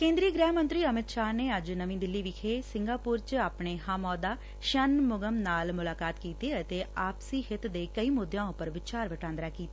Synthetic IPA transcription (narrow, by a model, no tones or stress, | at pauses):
kẽːnd̪ɾiːəɡɾɛːɦmə̃nt̪ɾiːəmɪt̪ʃaːɾneːəd͡ʒnəʋĩːd̪ɪlːiːʋɪkʰeːsɪ̃ŋɡaːpuːɾt͡ʃaːpɳeːɦaːmɔːd̪aː | ʃənmʊɡəmnaːlmʊlaːkaːt̪kiːt̪eːət̪eːaːpsiːxɪt̪d̪eːkəiːmʊd̪jãːʊpːəɾʋɪt͡ʃaːɾʋəʈãːnd̪ɾaːkiːt̪aː